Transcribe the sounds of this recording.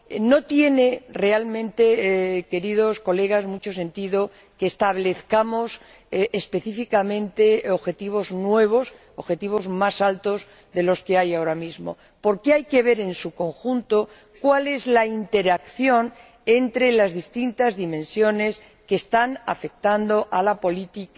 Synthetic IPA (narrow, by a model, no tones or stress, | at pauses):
no̞t̪je̞nere̞almẽnt̪e̞ke̞ɾiðo̞sko̞le̞ɣ̞azmut͡ʃo̞se̞nt̪iðo̞ | keːst̪aβle̞θkamo̞sː | spe̞θifikamẽ̞nt̪e̞oβxe̞t̪iβ̞o̞znwe̞β̞o̞s | oβxe̞t̪iβ̞o̞zmasalt̪o̞z | ðe̞lo̞ske̞ajao̞ɾamizmo̞̰ | po̞ɾke̞ajke̞βe̞ɾe̞nsuko̞ŋxunt̪o̞ | kwale̞zlaint̪e̞ɾakθjo̞n | e̞nt̪ɾe̞lazðist̪int̪azðimẽ̞nsjo̞ne̞s | ke̞ːst̪ana̰fe̞k̚t̪and̪o̞ʔalapo̞lit̪ik